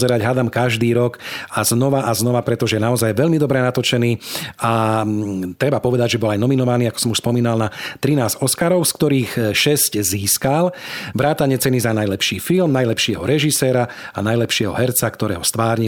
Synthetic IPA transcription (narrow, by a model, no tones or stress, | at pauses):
zɛɾaɟɦad̪amkaʒd̪iːɾɔkaznɔʋaʔaznɔʋapɾɛt̪ɔʒɛɛnaɔzajʋɛlmid̪ɔbɾɛnat̪ɔt͡ʃɛniːa | t̪ɾɛbapɔʋɛd̪aɟʒɛbɔlajnɔminɔʋaniːakɔ̥sɔmuʃspɔmiːnalnat̪ɾinaːzɔskaɾɔʊskt̪ɔɾiːxʃɛscziːskalʋɾaːt̪aɲɛt͡sɛnizanajlɛpʃiːfilmnajlɛpʃɪɛɦɔɾɛʒisɛːɾa | anajlɛpʃɪɛɦɔ̰ɦɛɾt͡sakt̪ɔɾɛːɦɔst̪ʋaːɾɲi